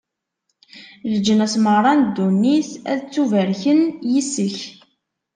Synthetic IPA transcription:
ləd͡ʒːənæsməʁɾˤɑnd̪ːunːiθæ̰ðt͡sːuvæɾçənjisːəç

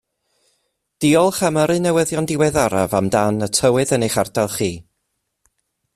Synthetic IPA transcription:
d̥iɔlˠχaməɾɨnɛwəðjɔndɪwɛðaɾavamdanətʰəwɨðəneχardalˠχiː

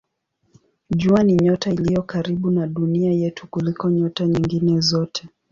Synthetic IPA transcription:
ʄuaniɲɔtailijɔkaɾiɓunaɗuniajɛtʰukulikɔɲɔtaɲiŋɡinɛzɔtʰɛ

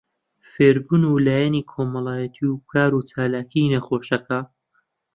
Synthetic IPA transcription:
feːɾbunulaːjɐniːkʰomɐlˠaːjɐt̪ʰiukʰaːɾut͡ʃaːlaːkʰinɐxoːʃɐkɐ

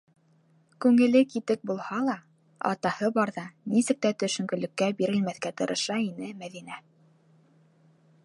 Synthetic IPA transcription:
kʉŋɘ̆lɘkit̪ɘk̚bulˠhɑlˠɑ | ɑ̰t̪ɑhɤbɑɾðɑnisɘ̆k̚t̪æt̪ɵ̆ʃɵ̆ŋɡɵ̆lɵ̆kːæbiɾɘ̆lmæθkæt̪ɤ̆ɾʔɤ̆ʃɑinɘmæðinæ

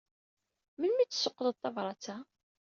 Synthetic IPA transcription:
mənmit͡sːsʊqːðəðθɑvɾˤɑt͡sæ

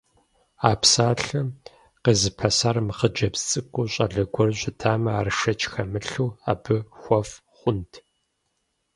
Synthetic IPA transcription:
aːpsaːɬɨm | qeːzɨpʰɐsarmɨχəd͡ʒɐpst͡sʼɨkʷʼuɕʼɐ̰ɮɐɡʷɔrɕʷʼɪtʰaːmɐaːrɨʃɐt͡ʃʰʼxɐmɨɬuːa̰ːbɨxʷɔf | χʷʊntʰ

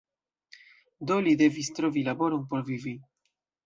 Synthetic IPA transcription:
d̪olid̪e̞vist̪ɾo̞vilabo̞ɾonpo̞ɾvivi

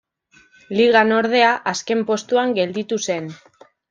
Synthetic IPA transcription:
liɣ̞ano̞ɾð̞e̞aʔaske̞mpo̞st̪uaŋɡe̞ld̪it̪use̞n

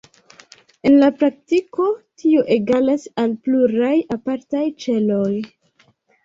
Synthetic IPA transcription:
e̞nlapɾak̚tiko̞tʰioʔeɡalasalpluɾajapaɾtajt͡ʃe̞lo̞j

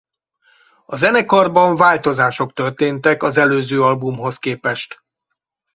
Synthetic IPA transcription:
ɒzɛnɛkɒrbɒɱvaːlt̪o̞zaːʃo̞k̚t̪ørt̪eːnt̪ɛkɒzɛløːzøːɒlbumɦo̞skeːpɛʃt̪

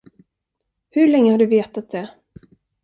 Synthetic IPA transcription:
hɵɭɛŋːəhaɖɵveːt̪at̪̚d̪ɛ

